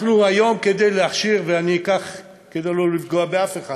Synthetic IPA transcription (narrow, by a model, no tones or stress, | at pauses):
χnuajo̞mke̞d̪ejleaχʃiʁveanikaχ | ked̪ejlolifɡoabeafeχa